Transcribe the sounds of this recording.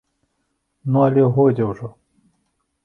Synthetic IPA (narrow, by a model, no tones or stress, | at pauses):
nuɐlʲɛɦɔd͡zʲɛwʐɔ